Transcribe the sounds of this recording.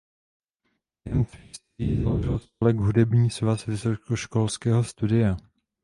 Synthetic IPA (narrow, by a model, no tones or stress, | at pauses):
jɛmfɛs | iːzaloʒɪlspolɛɡɦudɛbɲiːsvasvɪsokoʃkolskɛːɦo̞st̪udɪja